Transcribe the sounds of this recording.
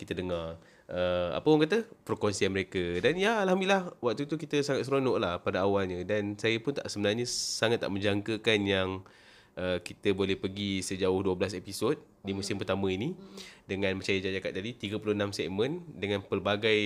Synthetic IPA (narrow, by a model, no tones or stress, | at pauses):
kit̪ədəŋar | ʔəa̰pəpuŋkat̪əpəɾkonsianməɾekadanjaalɦamdlilahwak̚t̪ut̪ukit̪əsaŋat̪̚səɾonɔʔlahpadaawalɲədansajəpʊnt̪a̰ʔsəbənarɲəsaŋat̪ːa̰ʔmə̃ɲd͡ʒaŋkəkanjaŋ | ʔəkit̪əbolɛhpəɡisəd͡ʒaʊhduəbəlasepisot̪̚ | dimusɪmpərt̪amə̃inidəŋãnmə̃ɲt͡ʃajəd͡ʒad͡ʒakat̪ːadit̪iɡəpulʊənamsɛʔmə̃ndəŋãnpərbaɡaj